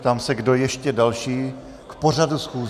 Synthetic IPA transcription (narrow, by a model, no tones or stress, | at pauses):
t̪aːmsɛɡdo̞jɛʃcɛdalʃiː | kpo̞radusxuː